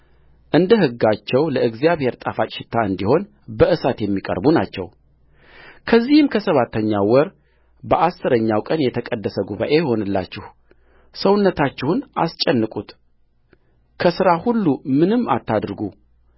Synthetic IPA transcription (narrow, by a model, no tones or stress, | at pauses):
ʔɨnd̪əhɨɡːat͡ʃːɛwləɨɡzijaβhe̞ɾt̪ʼafat͡ʃʼʃɪt̪ʰːaɨnd̪iho̞n | bəʔɨsat̪jɛmːikʼə̰ɾbuna̰t͡ʃːɛ̰w | kʰəzːihɨmkʰəsəβat̪ʰːəɲːawɔɾ | bəʔasːɨɾəɲːawkʼənjɛt̪ʰəkʼəd̪ːəsəɡuβa̰ʔeho̞nɨlːa̰t͡ʃːɪh | səwʊnːət̪ʰat͡ʃːɪhunʔa̰st͡ʃʼːɛnːɨkʼut̪ | kʰəsɨɾahulːumɨnɨmːa̰t̪ʰːad̪ɾɡu